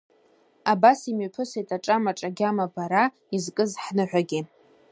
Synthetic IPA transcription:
abasimɥpʰɨsetʰaʈ͡ʂʼamaʈ͡ʂʼaɡʲamabaɾa | izkʼɨzħnɨħʷᶣaɡʲɪ

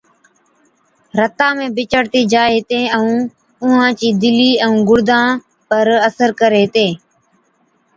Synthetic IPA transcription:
ɾət̪ãːmẽːbɪt͡ʃəɽt̪iːd͡ʒaːet̪ẽːəũː | ʊɦãːt͡ʃiːd̪ɪliːəũːɡʊɽd̪ʱãː | pəɾəsəɾkəɾeːt̪ẽː

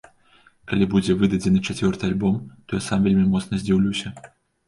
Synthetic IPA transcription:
kalʲibud͡zʲɛvɨd̪ɐd͡zʲɛnɨt͡ʂat͡sʲvʲɔrt̪ɨalʲbɔmt̪ɔjasamvʲelʲmʲimɔt̪snɐzʲd͡zʲiwlʲusʲɐ

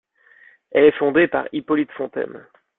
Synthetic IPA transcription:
ɛlɛfɔ̃d̪epa̰ʁipɔlit̪fɔ̃t̪ɛ̰m

